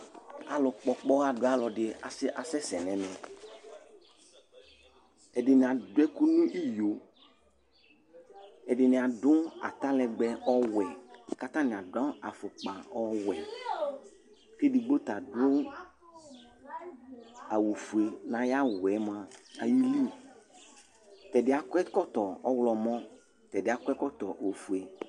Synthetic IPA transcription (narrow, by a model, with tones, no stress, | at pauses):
a̰˨lɔ˨k͡pɔ˦k͡pɔ˦a˦ɖo˦a˦lɔ˨ɖɪ˨a̰˨se˦ʔa˨sɛ˦sɛ˨nɛ̃˨mɛ̃˨ | ɛ˨ɖɪ˨nĩ˨a˨dwɛ˦ku˦nũ˦ʔi˦jo˨ | ɛ˨ɖɪ˨nɪ̃˨a˨ɖʊ̃˦a̰˨t̪a˦lɛ˨ɡ͡bɛ˦ʔɔ˦wɛ˨ka˦t̪ã˦nĩ˨a˨dã˦a̰˨fo˨k͡pã˨ɔ˦wɛ˨ | fe˦di˨ɡ͡bo˦t̪a˨dʊ̃˦ | a˨wu˨fu˨e˨nã˨ja˦wɛ˨˦mã˦a̰˨ji˦li˦ | t̪ɛ˨dɪ˨˦a˨kɛ˦kɔ˦t̪ɔ˨ɔ˦wlɔ˨mɔ̃˦ | t̪ɛ˨dɪ˨˦a˨kɛ˦kɔ˦t̪ɔ˨wo˨fu˨ɛ˨